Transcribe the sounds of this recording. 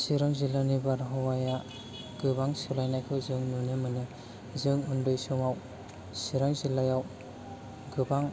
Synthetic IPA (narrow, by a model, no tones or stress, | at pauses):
siɾaŋzilanibaɾɦɔwaja | ɡ̥ɯbaŋsɯlajnajkʰɯwzɯŋnunɯmɯnɯ | zɯŋundɯjsɯŋaw | siɾaŋzilajaw | ɡɯbaŋ